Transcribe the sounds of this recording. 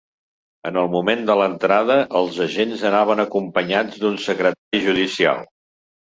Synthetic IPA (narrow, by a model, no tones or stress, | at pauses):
ənəlˠmumend̪ələnt̪ɾaðəʔəlˠzəʒenzənaβ̞ənəkumpəɲad͡zd̪unsəkɾət̪aɾiʒuðisia̰lˠ